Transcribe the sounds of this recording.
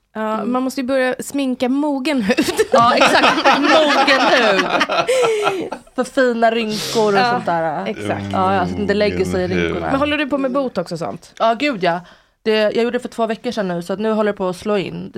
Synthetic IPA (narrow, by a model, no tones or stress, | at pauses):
ʔɑːmanmɔst̪əjɵbœɾjasmɪŋkamuːɡənɦʉ̟ːvd̪ɑːɛkksak̚t̪muːɡənhʉ̟ːd̪ | fœɾfiːnaɾʏŋkʊɾɔsɔnt̪d̪æːɾaɛksa̰kt̪ʔɑːsɔat̪ɪnd̪əlɛɡːəʂɛjɪɾʏŋkʊɳa̰ɛnɦɔlːəɖɵpʰɔmɛbuːt̪ɔksɔsɔ̰nt̪ɑːɡʉ̟ːd̪jɑ | d̪̥ɛjʔɑːɡjuːɖəɖɛfœʈʰv̥oːvɛkːəʂɛnːʉ̟ːsat̪nʉ̟ːɦɔlːəɾapʰɔːsloːɪ̰nː